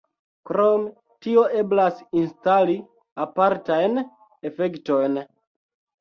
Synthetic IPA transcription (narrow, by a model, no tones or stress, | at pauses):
kɾome | tio̞e̞blasinstali | apaɾtajn | efektojn